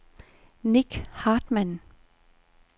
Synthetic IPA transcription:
niɡ̥hɑːd̥mæn

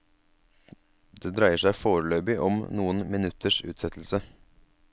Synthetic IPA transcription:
d̪eːd̪ɾæɪəʂæɪfoːɾəløːbɪʔɔmnuːənmɪnʉt̪ʰəʂʉ̰ːt̪sɛt̪ʰl̩sə

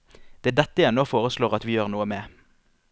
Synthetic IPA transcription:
d̪̥ɛːd̪ɛt̪ːəjæːnoːfoːʁəsloːʁɑt̪ʋiːjøːʁnuːəmeː

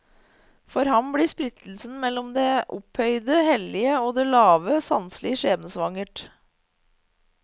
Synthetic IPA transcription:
fɔɾhɑmbɽiːspɾɪt̪l̩sn̩mɛlɔmd̪eːʔʊ̰phœʏd̪əhɛlɪəoːd̪eːlɑːʋəsɑ̰nslɪəʂeːbənsʋɑŋəʈ

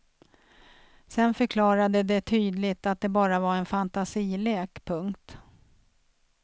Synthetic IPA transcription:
sɛnfœɾkʰlɑːɾad̪əd̪ɛt̪ʰyːd̪lɪt̪at̪̚d̪ɛbɑːɾavaɾɛnfant̪asiːleːkpʰɵŋkt̪

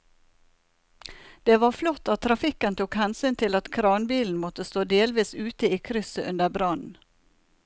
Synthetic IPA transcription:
d̪̥eːʋɑːɾflɔt̪ːɑt̪ʰːɾɑfɪkənt̪ʰuːkhænsʏnt̪ʰɪlɑt̪kʰɾɑːnbiːln̩mɔt̪əst̪oːd̪eːlʋiːsʉːt̪əiːkʰɾʏsəʔʉnd̪əbɾɑnn̩

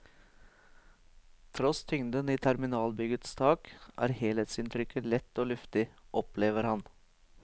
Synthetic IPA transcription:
t̪ʰɾɔst̪ʰʏŋd̪əniːt̪ʰæɾmɪnɑːlbʏɡət̪st̪ʰɑːkʔæ̰ːɾheːlət̪sɪnt̪ʰɾʏkːəlɛt̪ːoːlʉft̪ɪʔɔpleːʋəɾhɑn

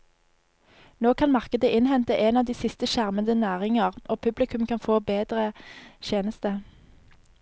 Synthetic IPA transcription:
noːkʰɑnmɑʁkəd̪əʔɪnhɛnt̪əʔeːnɑːʋd̪iːsɪst̪əʃæʁmənd̪ənæːʁɪŋəʁʔoːpʰʉblɪkʰʉmkʰɑnfoːbeːd̪ʁəʃeːnəst̪ə

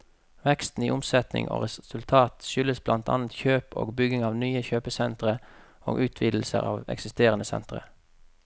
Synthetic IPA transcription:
ʋɛkst̪n̩iːʔʊmsɛt̪nɪ̰ŋʔo̰ːʁɛsʉlt̪ʰɑːt̪ʃʏləsblʔɑnt̪ʰɑ̰ːnət̪çøːpʰo̰ːɡbʏɡɪŋɑːʋnyːəçøːpəsɛnt̪ʁə | o̰ːɡʔʉːt̪ʰʋiːd̪l̩sə̰ʁɑːʋɛ̰ksɪst̪eːʁənəsɛ̰nt̪ʁə̰

